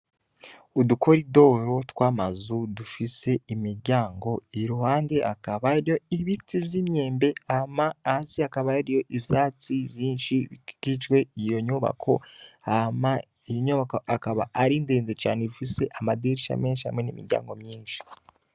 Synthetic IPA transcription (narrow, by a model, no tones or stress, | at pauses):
udukʰo̞ɾido̞ɾo̞twaːmazudufise̞imiɾɟaːŋɡo̞iɾuhaːnde̞ʔakaβaɾijo̞iβitivjiːmɲe̞ːmbe̞amaːsiakaβaiɾijo̞ʔiβjaːt͡sivjiːnʃikit͡ʃwe̞ijo̞ɲuβa̰kʰo̞̰ama | ijoɲuβakoʔakaβa̰ʔaɾindeːnzet͡ʃa̰ːnedufise̞ʔamadiɾiʃia̰me̞ːnʃiha̰mŋe̞nimḭɾɟa̰ːŋɡo̞mɲiːnʃi̥